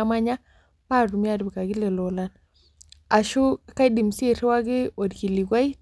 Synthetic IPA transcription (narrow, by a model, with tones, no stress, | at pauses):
a˦ma˦ɲa˦ | pa˦˨ɾu˨mi˦a˦dbi˨ka˨ɡi˦le˨lɔ˨la˦n | a˨ʃu˦ka˦di˨mse˨ɾwa˦ɡɪ˦o˨dɡi˨li˨ɡwa˦i˦